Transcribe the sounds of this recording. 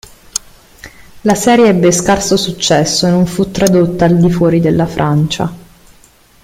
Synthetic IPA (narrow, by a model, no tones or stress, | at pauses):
lasɛːɾjeɛbːeskarsosut͡ʃːɛsːoenoɱfut̪ːɾad̪ot̪ːaːld̪ifwɔːɾid̪elːafɾʔant͡ʃa̰